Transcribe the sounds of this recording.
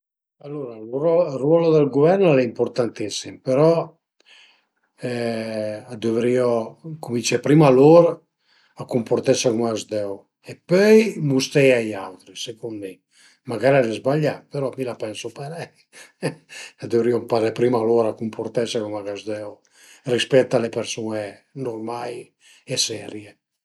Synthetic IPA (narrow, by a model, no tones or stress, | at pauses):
alːoɾalɔrwɔlod̪əlɡovɛrnlɛimpoɾt̪ant̪isimpeɾɔ | ɛ | ad̪øvɾiɔkumint͡ʃɛpɾimaloɾa | akumport̪ɛseɾumaazd̪ɛw | epœjmust̪ɛjajawt̪ɾisekunme | maɡaɾad̪ezbaʎːapeɾɔmilapɛnsopaɾɛj | ad̪øvɾiɔmpaɾepɾimaloɾakumpʰoɾt̪ɛsekumaɡazd̪ɛw | rispɛt̪ːalepeɾsuenormaj | ɛsɛɾje